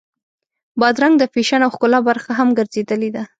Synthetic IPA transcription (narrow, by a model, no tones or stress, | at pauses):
bɑd̪ɾaŋɡd̪əfeʃanawxkʊlɑbaɾxaɦamɡəɾzed̪əled̪a